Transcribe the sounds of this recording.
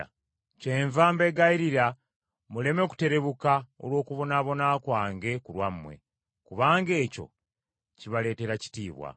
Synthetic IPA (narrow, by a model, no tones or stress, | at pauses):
t͡ʃeːɱvaːmbe̞ɡaiɾiɾa | mule̞me̞ku̥te̞ɾe̞βukao̰lwo̞ːkuβo̞naːβo̞naːkwaːŋɡe̞kulwamːwe̞̰ | kuβaːŋɡe̞ːco̞̰ | ciβale̞ːte̞ɾaci̥tiːβwa̰